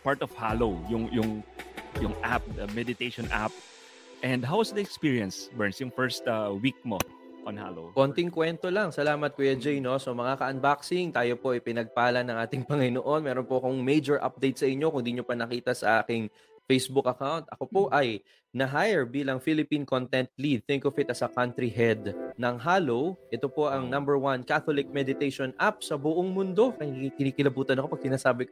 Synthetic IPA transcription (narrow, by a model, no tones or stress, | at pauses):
paɹt̪ɔvhalowjʊŋjʊŋjʊŋʔap̚d̪ɐmɛd̪ɪt̪ejʃɔnʔa̰p̚ | ʔɛ̃nd̪ɦawɐsd̪ɐɛkspiɹiɐnsbɛɹnsjʊŋfɛɹst̪ɐwik̚mo | wɐnha̰lo̰wko̞ːnt̪ɪŋkwɛnt̪o̞lɐŋsɐlaːmɐt̪̚kojɐd͡ʒɛjno̞somɐŋakɐʔɐnbaksɪŋt̪aːjo̞po̞ʔɐjpɪnɐɡ̚paːlɐnɐ̃ŋʔaːt̪ɪŋpɐŋɪnoʔo̞nmɛːɾonpoʔɐkʊŋmejd͡ʒoɹʔa̰p̚d̪ejt̪̚sɐʔɪɲːo̞kʊnd̪iɲo̞pɐnɐkiːt̪ɐsɐʔaːkɪŋ | fejsbʊkɐkawnt̪̚ʔɐko̞po̞ʔɐj | nɐɦajɛɹbiːlɐŋfilɪpinkont̪ɛnt̪̚lid̪̚θɪŋkofɪt̪ɐsɐkant̪ɾiɦɛd̪nɐŋɦaːlowʔɛt̪opo̞ʔɐŋnɐ̃mbɛɹwɐnkaθolɪk̚mɛd̪ɪt̪ejʃonʔap̚sɐbʊʔoŋmʊnd̪o̞kɐŋkɪniːkɪlɐbuːt̪ɐnɐko̞pɐɡ̥̚sɪnaːsaːbɪk